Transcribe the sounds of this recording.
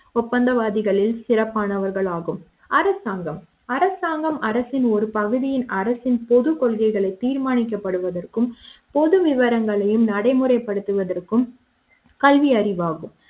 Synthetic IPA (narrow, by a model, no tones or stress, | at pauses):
ɔpːɐnd̪ɐʋaːðɪɣɐɭɪlsɪrɐpːaːnɐʋɐɾɣɐɭaːɣɯm | ɐɾɐsaːŋɡɐm | ɐɾɐsaːŋɡɐmɐɾɐsɪnɔɾɯpɐɣɯðɪjɪnɐɾɐsɪnpɔðɯkɔɭɣɐɪɣɐɭɐɪt̪ːiːɾmaːɳɪk̬ːɐpːɐɽɯʋɐðɐrkɯmpɔðɯʋɪʋɐɾɐŋɡɐɭɐjɯmnɐɽɐɪmɯɾɐɪpːɐɽɯt̪ːɯʋɐðɐrkɯm | kɐlʋiɐɾɪʋaːɣɯm